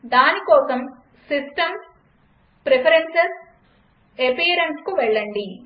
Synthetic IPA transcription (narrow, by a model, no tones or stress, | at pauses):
d̪aːnikɔːsɐm | sisʈɐm | pɾepɐɾensɐs | epiːɐɾenskuʋɛɭːɐɳɖi